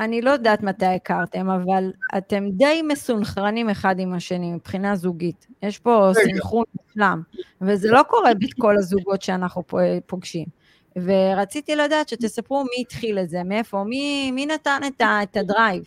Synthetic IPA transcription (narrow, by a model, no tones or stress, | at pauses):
anilo̞jodaːt̪mat̪ajekaʁt̪e̞mavala̰te̞md̪e̞jmesunχʁanimeχadimaʃenimipχinazuɡitjeʃpo̞simχunmislamvezelo̞ko̞ʁe̞betko̞lazuɡo̞tʃeanaχnuppoɡʃim | ve̞ʁat͡sit̪iladaːt̪ʃet̪e̞sapʁumiːtχileze̞meefo̞miminatanetaetadʁajv